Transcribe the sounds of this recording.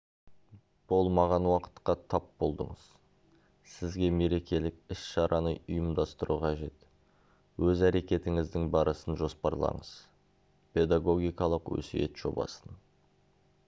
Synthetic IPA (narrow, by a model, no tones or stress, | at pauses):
b̥o̞lˠmɑʁɑnwɑqə̥t̪qɑt̪ʰɑpbo̞lˠd̪ə̰ɴəz̥ | sɪzɡʲe̞me̞ɾe̞kʲe̞lɪkɪsʃɑɾʔɑnəʊjəmd̪ɑst̪əɾuqʰɑʒe̞t̪ | wɵzæɾe̞kʲe̞t̪ɪŋɪzd̪ɪŋbɑɾəsənʒo̞spɑɾlˠɑ̰ɴəz̥ | pʰe̞d̪ɑɡo̞ɡʲijkɑlˠəqwɵ̰sɪje̞̰t̪ʒ̥o̞̰bɑ̰sən